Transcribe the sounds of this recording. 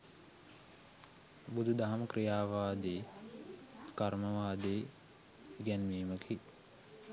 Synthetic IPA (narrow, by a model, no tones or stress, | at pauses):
bud̪ʱud̪aɦɐmkɾijaːʋaːd̪eː | kaɾməʋaːd̪eː | ɡɛnmeːməkʰi